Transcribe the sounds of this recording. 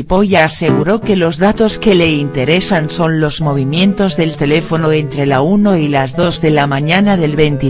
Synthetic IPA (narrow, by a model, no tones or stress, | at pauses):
po̞ʝaːse̞ɣuɾo̞ke̞lo̞zðat̪o̞ske̞le̞int̪e̞ɾe̞sanso̞nlo̞zmo̞β̞imjẽ̞nt̪o̞zðe̞lt̪e̞le̞fo̞no̞e̞nt̪ɾe̞launo̞ilazðo̞zðe̞lamãɲanaðe̞lβe̞nt̪i